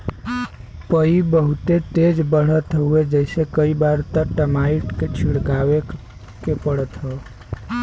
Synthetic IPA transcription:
pəibəɦut̪et̪ed͡ʒbəɽ̤ət̪ɦued͡ʒəɪsekəibaɾt̪əʈəmaiʈket͡ʃʰiɽkawe | kepəɽət̪ɦɔ

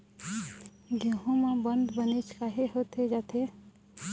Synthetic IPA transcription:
ɡẽɦõmãbə̃nd̪bənet͡ʃʰkaɦeɦot̪ʰed͡ʒaːt̪ʰe

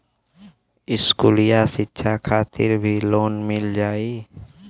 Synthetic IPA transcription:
ɪskuːlijasɪtːʃʰakʰaːt̪ɪ̰ɾbʱiloːnmɪld͡ʒaːiː

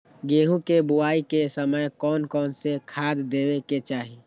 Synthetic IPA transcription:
ɡeːɦũkebʊaːikesəməjkɔːnkɔːnsekʰaːd̪d̪eːweket͡ʃaːɦi

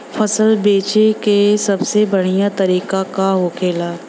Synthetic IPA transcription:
fɐsəlbeːt͡ʃekesɐbsebɐɽ̤ijat̪ɐɾiːkakaɦokʰeːlaː

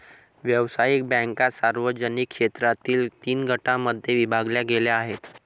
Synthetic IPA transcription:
ʋjəʋsajik̚bɛ̃ŋkasaɾʋəd͡ʑənikːʂet̪ɾat̪iːlt̪iːnɡʱəʈãməd̪ʱjeʋibʱaɡljaɡeljaːɦet̪

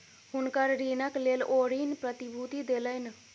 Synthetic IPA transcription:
ɦunkəɾɾinəklelʔoɾinpɾət̪ibʱut̪id̪eləɪn

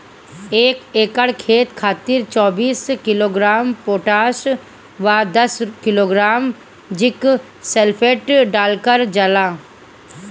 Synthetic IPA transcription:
eːkeːkəɽkʰeːt̪kʰaːt̪ɪɾt͡ʃɔːbiːskɪloːɡɾaːmpoːʈaːʃ | ʋad̪ɐskɪloːɡɾaːm | d͡ʒɪk | selpʰeːʈɖaːlkəɾd͡ʒɐlaː

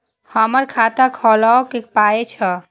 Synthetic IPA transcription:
həməɾkʰat̪akʰɔlaokepaet͡ʃʰə

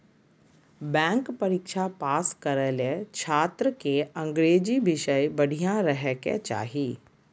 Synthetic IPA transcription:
bɛ̃ːŋkpɐɾikʃapaːskɐɾəlet͡ʃʰaːt̪ɾəkeɐ̃ŋɡɾeːd͡ʑiʋɪʃəjbɐɽ̤ʱijãɾəɦɛkḛt͡ʃa̰ːɦiː

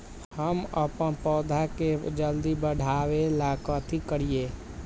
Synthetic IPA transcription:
həməpənpɔːd̪ʱaked͡ʒəld̪ibəɽ̤ʱaːʋelaːkət̪ʰikəɾieː

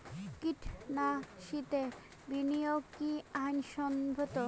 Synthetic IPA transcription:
kiʈʰnaʃit̪e | binijokiajnʃɔnbʱot̪o

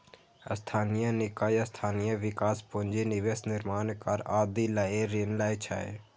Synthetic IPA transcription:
əst̪ʰaːnɪjãnɪkaːjəst̪ʰaːnijãʋɪkaːspõnd͡ʒenɪʋesnɪɾmaːnkəɾaːd̪ilaːeɾenlaːjt͡ʃʰa̰ːe

